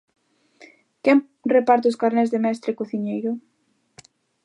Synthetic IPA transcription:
kɛm | repaɾt̪oskaɾnɛzðemɛst̪ɾekoθiɲejɾʊ

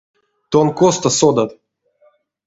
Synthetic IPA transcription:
t̪onkost̪ɐsod̪at̪

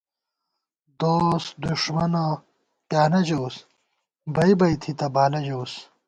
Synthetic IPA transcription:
d̪oːsd̪uʂmɐna | kjaːnɐd͡ʑows | bɐjbɐjt̪ʰit̪ɐbaːlɐd͡ʑos

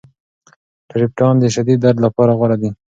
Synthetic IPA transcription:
ʈaɾɪp̚ʈɑnd̪əʃad̪id̪ːaɾd̪lapɑɾaɣwaɾad̪i

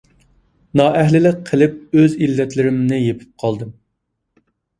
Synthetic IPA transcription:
nɑːʔɛɦlɪlɪk̚ʲqʰəlɪp̚øzilːɛt̪lɪɾɪmnɪjepʰɪ̥p̚qʰɑlˠd̪ɨm

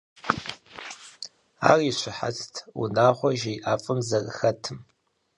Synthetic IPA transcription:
a̰ːriɕʷɪħa̰t͡stʰṵnaːχʷɔʒejʔaːfʼɨmzɐrɨxɐtʰɨm

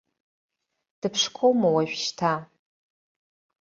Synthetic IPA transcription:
d̥ɨpʰʂkʰowmawaʒᶣʃtʰa

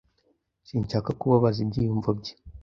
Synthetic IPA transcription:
siːɲt͡ʃakakuβaβazib̚ɟijuɱvab̚ɟe̥

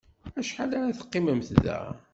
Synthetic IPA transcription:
æʃħalaɾaθə̥qːimæmθðæ̰

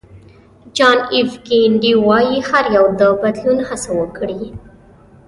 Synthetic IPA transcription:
d͡ʒɑnivɡeɳɖiwɑjihaɾjawd̪əbad̪lunhasawəkɽi

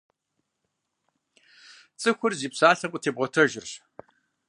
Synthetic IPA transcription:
t͡sʼɨxʷʊrziːpsaːɬɐqʷʼʊtʰeːbʁɔtʰɐʒɪrɕ

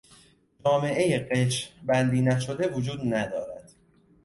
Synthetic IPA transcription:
d͡ʒɒːme̞ʔe̞jeɢet͡ʃbænd̪iːnæʃo̞d̪e̞vod͡ʒuːd̪næd̪ɒ̰ːɾæd̪̥

